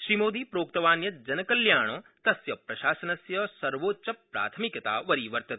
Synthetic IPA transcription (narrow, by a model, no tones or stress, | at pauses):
ʃɾimoːd̪iːpɾoːk̚t̪ɐʋaːnjɐd͡ʒɐnɐkɐljaːɳ̃ɐːt̪ɐsjɐpɾɐʃaːsɐnɐsjɐsɐɾʋoːtt͡ʃɐpːɾa̰ːt̪ʰɐmikɐt̪a̰ːʋɐɾiʋɐɾt̪ɐt̪